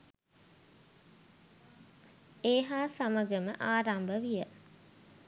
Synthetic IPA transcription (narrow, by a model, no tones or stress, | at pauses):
eːɦaːsaməɡəməʔaːɾambəʋijə